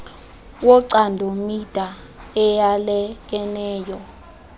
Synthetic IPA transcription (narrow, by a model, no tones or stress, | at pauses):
wɔǀandʱomid̥ʱa | ɛjalɛk̬ɛnɛːjɔ